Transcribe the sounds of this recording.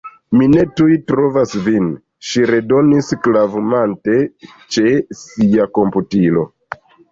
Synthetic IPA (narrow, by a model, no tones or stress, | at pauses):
mine̞tujtɾovasvin | ʃiɾe̞do̞nisklavumante̞ | t͡ʃe̞siako̞mputilo̞